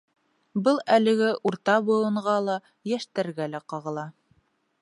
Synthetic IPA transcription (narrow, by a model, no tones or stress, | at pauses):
bɤlˠælɘ̆ɡɘʔuɾt̪ɑbŏw̪ˠɤ̆ɴʁɑlˠɑ | jæʃt̪æɾɡælæqɑʁɤ̆lˠɑ